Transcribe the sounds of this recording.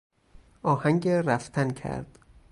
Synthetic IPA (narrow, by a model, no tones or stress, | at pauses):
ʔɒːhæŋɟeɾæft̪ʰæncʰæ̰ɾd̪̥